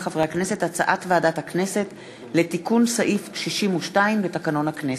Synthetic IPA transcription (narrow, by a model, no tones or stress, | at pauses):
χavʁeakne̞se̞tat͡saʔatveadathakne̞se̞t | le̞tikunsaʔifʃiʃimuʃtaimbetakano̞nhaknes